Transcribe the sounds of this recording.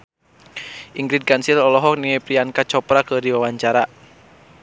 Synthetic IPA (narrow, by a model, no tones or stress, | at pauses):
ʔiŋɡɾid̪̚kansilɔlɔɦɔk̚niapɾiankat͡ʃɔpɾakədiwawaɲt͡ʃaɾa